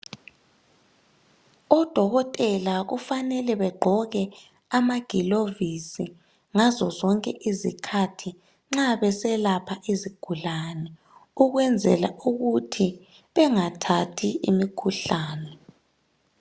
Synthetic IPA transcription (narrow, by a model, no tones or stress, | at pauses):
ɔd̥ʱɔɣɔtʼɛlaɣufanɛlɛβɛɡ͡ǃʱɔɣɛ | amaɡ̥ʱilovisi | ŋazɔzɔŋkʼɛʔizikʰatʰi | ŋ͡ǁaβɛsɛlapʰaʔiziɡ̥ʱulanɛ | uɣwɛnd͡zʱɛlauɣutʰi | βɛŋatʰatʰiimikʰuɬaːnɛ